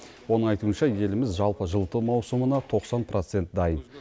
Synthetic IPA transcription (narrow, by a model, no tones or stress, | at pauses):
wo̞nəɴɑjt̪uənʃɑje̞lɪmɪzʒɑlˠpəʒəlˠt̪əmɑwsəmənɑt̪ʰo̞qsɑnpʰrʔo̞t̪se̞nt̪̚d̪ɑjən